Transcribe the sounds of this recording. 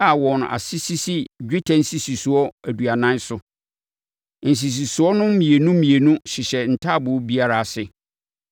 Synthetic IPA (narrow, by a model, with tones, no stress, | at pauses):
a˨wɔ̃˨ñ˨a̰˨si˦si˦si˦d͡ʑᶣɪ˦tʰã˦n̩˦si˨si˨su˨ɔ˦æ˨du˨a˨nã˦nsʊ˦ | n̩˨s̬i˨s̬i˨su˨ɔ˦nʊ̃˦mĩ˨e˨nũ˦mĩ˨e˨nũ˦ɕɪ˨ɕɛ˨n̩˨tʰa˦˨bʊ˨˦bi˦a˦ɾa˦˨sɪ˦